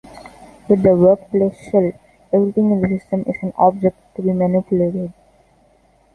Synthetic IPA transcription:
ʋɪd̪ːəʋəɾkplesəl | eʋɾit̪ʰɪ̃ŋɪ̃dəsɪsʈə̃mʔɪ̰sæ̃nɔ̰ːb̚d͡ʒek̚ʈːubiːmænɪpjuleːʈeɖ

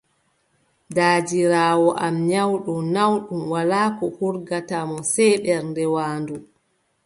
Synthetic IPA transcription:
daːd͡ʒiɾaːwɔʔamɲawɗumnawɗumwalaːkɔhuɾɡatamɔsɛɓɛɾndɛwaːndu

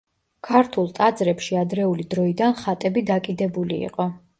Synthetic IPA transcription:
kʰaɾt̪ʰulˠt̪ʼad̪zɾɛpʃiad̪ɾɛulid̪ɾɔid̪anχat̪ʼɛbid̪akʼid̪ɛbulḭḭqʼɔ

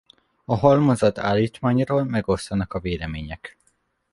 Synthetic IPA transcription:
ɒɦɒlmozɒt̪a̰ːlːiːt̪maːɲroːlmɛɡo̞st̪ɒnɒkɒveːlɛmeːɲɛk

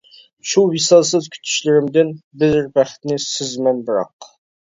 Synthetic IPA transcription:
ʃuwisɑsɪzkʲʰy̥t̪ʰy̥ʃlɪɾɪmd̪ɪnbɪzɪɾbæχt̪nɪsɪzmænbɨɾɑ̰q

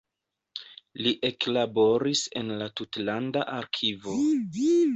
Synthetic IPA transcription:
liʔe̞klabo̞ɾise̞̰nlatutlandaʔaɾkʰivo̞

